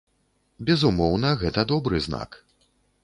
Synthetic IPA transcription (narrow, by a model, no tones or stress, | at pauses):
bʲɛzumɔwnɐɣɛt̪ɐd̪ɔbɾɨzna̰k